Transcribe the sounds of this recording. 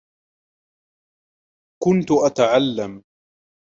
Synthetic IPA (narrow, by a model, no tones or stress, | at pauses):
kʊnt̪ʊʔat̪aʕalːam